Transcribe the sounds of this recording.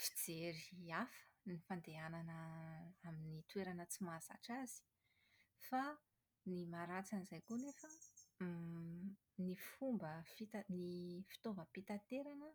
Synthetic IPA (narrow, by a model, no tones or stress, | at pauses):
fi̥d͡zeɾiafə̥nifand̪eananəaminit̪weɾanət͡simaz̥a̰ʈ͡ʂaz̥i̥ | fa | nimaɾat͡sanizajkunefə | nifumbəfit̪anifi̥t̪ovəpit̪at̪eɾanə